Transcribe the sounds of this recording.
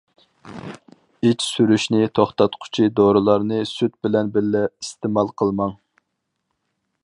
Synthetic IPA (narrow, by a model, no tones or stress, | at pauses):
it͡ʃsyɾyʃnɪt̪ʰoχt̪ɑt̪qʰʊ̥t͡ʃʰid̪oɾɨlˠɑɾnɨsyt̪̚bɪlɛnbɪɾːɛist̪emɑlˠqʰəlˠmɑŋ